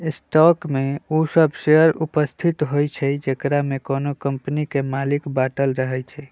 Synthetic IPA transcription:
sʈɔkmeosəbʃeəɾupəst̪ʰit̪ɦojt͡ʃʰɛd͡ʒekɾamekonokəmpnikemalikbaʈəlɾəɦɛt͡ʃʰɛ

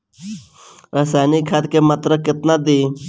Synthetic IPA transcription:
ɾəsaːnikʰat̪kemət̪ɾəkɪt̪nad̪i

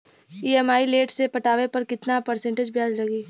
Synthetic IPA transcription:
iːɛmaːileːʈsepɐʈaːʋepɐɾkɪt̪napəɾsɛ̃ɳʈed͡ʒbjaːd͡ʒlɐɡiː

